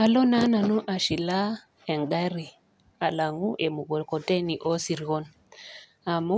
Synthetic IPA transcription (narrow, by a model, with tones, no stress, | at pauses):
a˨lo˦na˦na˨nu˦ʔa˨ʃi˨la˦ | e˨ŋɡa˦ɾi˨ | a˨la˨ŋu˦ʔe˨mu˨ɡɔ˨lkɔ˨te˦ni˨ʔo˦si˨ɾɣɔ˦n | a˨mu˦